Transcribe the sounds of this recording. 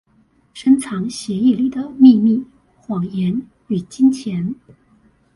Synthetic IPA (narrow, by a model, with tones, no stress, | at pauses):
ʂə˥nt͡sʰɑ˧˥ŋɕjɛ˧˥i˥˩li˥˩d̪ə˩mi˥˧mi˥˩ | xwɑ˨˩ŋjɛ˧˥n | y˨˩t͡ɕi˥nt͡ɕʰjɛ˧˥n